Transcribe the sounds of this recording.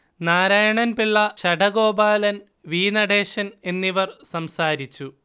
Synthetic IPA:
naːɾaːjɐɳɐnpiɭːɐɕɐɖɐɡo̞ːbaːlɐn | ʋiːnɐɽeːɕɐne̞nːiʋɐrsɐmsaːɾit͡ɕːu

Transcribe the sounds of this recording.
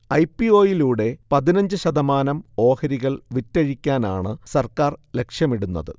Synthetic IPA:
ɐjpio̞ːjiluːɽe̞pɐðinɐɲd͡ʑɨɕɐðɐmaːnɐmo̞ːhɐɾiɣɐɭʋitːɐɻikʲːaːna̰ːɳɨsɐrkaːrle̞kʂjɐmiɽunːɐ̰ðɨ̰

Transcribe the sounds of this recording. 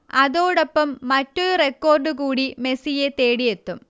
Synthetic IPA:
ɐðo̞ːɽopːɐmːɐtːoɾurekːo̞ːrɖukuːɽime̞sijet̪e̞ːɽije̞t̪ːum

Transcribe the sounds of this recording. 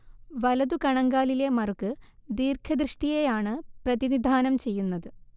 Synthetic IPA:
ʋɐlɐðukɐɳɐŋɡaːlile̞mɐrukːɨd̪iːrkʰɐd̪rɨʂʈijejaːɳɨprɐðinid̪ʱaːnɐmt͡ɕe̞jːunːɐðɨ

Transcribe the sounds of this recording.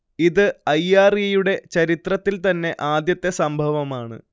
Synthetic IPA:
iðɨɐjːaːrijɐjuɽe̞t͡ɕɐɾit̪rɐt̪ːilt̪ɐnːe̞ʔaːd̪jɐt̪ːe̞sɐmbʱɐʋɐmaːɳɨ̰

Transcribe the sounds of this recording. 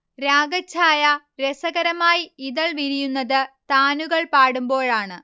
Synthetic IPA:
ɾaːɡɐt͡ɕʰːaːjɐ | ɾesɐɣɐɾɐmaːjiiðɐɭʋiɾijunːɐðɨt̪aːnuɣɐɭpaːɽumbo̞ːɭaːɳɨ

